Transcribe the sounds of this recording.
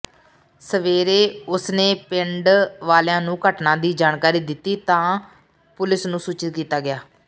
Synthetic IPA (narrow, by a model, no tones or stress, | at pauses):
səʋeːɾeːʊsneːpɪɳɖʋaːlãːnũːkəʈnãːd̪iːd͡ʒaːnkaːɾiːd̪ɪt̪ːiːt̪ãː | pʊlɪsnũːsuːt͡ʃɪt̪̚kiːt̪aːɡɪjaː